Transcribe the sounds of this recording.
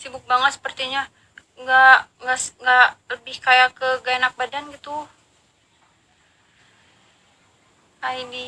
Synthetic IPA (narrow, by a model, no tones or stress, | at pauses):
sibʊk̚baŋət̪sə̥pərt̪iɲa | ŋɡaŋɡaʔsŋɡaʔləbɪhkajakəɡaenak̚badanɡit̪u | ajdi